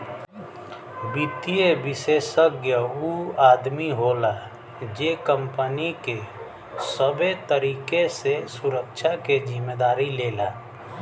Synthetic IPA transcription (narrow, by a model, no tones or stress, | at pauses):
bit̪iebɪseːʃəɡjəuaːd̪miɦoːla | d͡ʒekəmpənike | səbet̪əɾiːkesesʊɾəkʃʰaked͡ʒɪmːed̪aːɾileːlaː